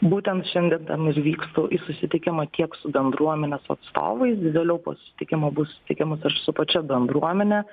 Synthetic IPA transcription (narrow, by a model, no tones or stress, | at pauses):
buːt̪ʲɛnt̪ʃʲɛnʲd̪ʲiɛnt̪ɐmɪɾʋʲiːkst̪uːʔisʊsʲɪt̪ʲɪkʲɪmɐkʲiɛksʊbʲɛnd̪ɾuɔmʲɛnʲɛsʊɐ̰t̪st̪o̰ːʋɐɪsʋʲeːlʲɛʊpo̰sʊ̥sʲɪ̥t̪ʲɪkʲɪmobʊsʊ̥sʲɪ̥t̪ʲɪkʲɪmɐsɐʃsʊpɐt͡ʃʲɛbʲɛnd̪ɾuɔmʲɛnʲɛ